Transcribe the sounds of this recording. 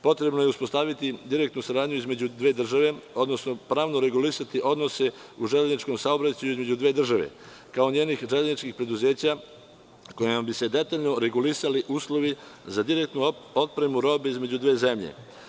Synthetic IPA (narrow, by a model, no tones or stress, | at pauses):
po̞t̪ɾe̞bnojeuspo̞st̪aːʋit̪id̪iɾek̚t̪nusaɾaːd̪ɲuizme̞d͡ʑud̪ʋe̞ːd̪r̩ʒaʋe̞o̞d̪no̞sno̞pɾaːʋnoɾe̞ɡulisat̪iʔo̞d̪no̞se̞ | uʒeʎaznit͡ʃko̞msao̞bɾat͡ɕajuizme̞d͡ʑud̪ʋe̞ːd̪r̩ʒaʋe̞̰ | kao̞ɲe̞ːnixʒeʎaznit͡ʃkixpɾe̞d̪uze̞ːt͡ɕa | ko̞jimabise̞d̪e̞t̪aːʎno̞ɾe̞ɡulisaliʔuːslˠo̞ʋizad̪iɾek̚t̪nuo̞t̪̚pɾe̞muɾo̞ːbeizme̞d͡ʑud̪ʋe̞ːze̞mʎḛ